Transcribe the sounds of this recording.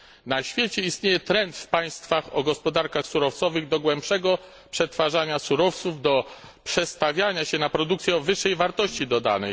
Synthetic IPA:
naɕfʲjet͡ɕɛist̪ɲejɛt̪ɾɛnt̪fpaj̃st̪faxɔɡɔspɔd̪aɾkaxsuɾɔft̪sɔvɘɣd̪ɔɡwɛmpʂɛɡɔ | pʂɛt̪faʐaɲasuɾɔft̪suvd̪ɔ | pʂɛst̪avʲjaɲaɕɛnapɾɔd̪ukt̪sʲjɛɔvɘʂːɛjvaɾt̪ɔɕt͡ɕid̪ɔd̪a̰nɛj

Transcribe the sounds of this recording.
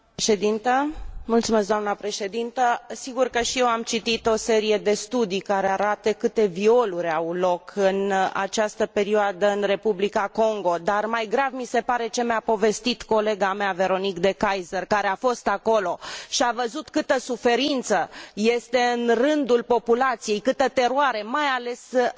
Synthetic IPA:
ʃed̪int̪əmult̪sumes̬kd̪oamnəpɾe̞ʃe̞d̪int̪əsiɡurkəʃije̞wamt͡ʃit̪it̪o̞se̞ɾije̞d̪e̞st̪ud̪ijkaɾeaɾat̪əkɨt̪e̞vio̞luɾʲawlo̞kʰɨna̰t͡ʃast̪əpe̞ɾioad̪əɨnre̞publikako̞ŋɡo̞d̪armajɡɾavmise̞paɾe̞t͡ʃe̞meapo̞ve̞st̪it̪ko̞le̞ɡameave̞ɾo̞nikd̪e̞kajzərkaɾeafo̞st̪ako̞lo̞ʃiavəzut̪kɨt̪əsufe̞ɾint̪səje̞st̪e̞ɨnrɨnd̪ulpo̞pulat̪sije̞jkɨt̪ət̪e̞ɾoaɾe̞majale̞s

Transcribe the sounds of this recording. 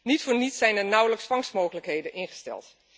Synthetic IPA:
nitfʊːɹnitsɛjnəɹnʌwləksfɑŋsmoːχələkɦejdənɪnχə̥stɛ̰lˠt

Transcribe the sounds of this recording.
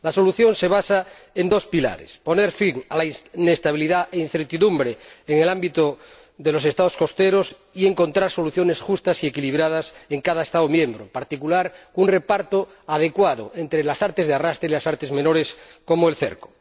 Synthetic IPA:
laso̞luθjo̞nse̞β̞asae̞nd̪o̞spila̰ɾḛspo̞ne̞ɾfiŋa̰lainest̪aβiliðaʔein̟θe̞ɾt̪iðumbɾeːŋelambit̪o | ðelo̞se̞st̪aðosko̞st̪eɾos | ie̞ŋko̞nt̪ɾaɾso̞luθjo̞ne̞sxust̪asie̞kiliβɾað̞aseŋkaðaest̪aomjẽ̞mbɾompaɾt̪ikulaɾunre̞paɾt̪o | að̞e̞kwaðoe̞nt̪ɾelasaɾt̪ezðearast̪ɾeilasaɾt̪ezmenoɾesko̞moelθe̞̰ɾko

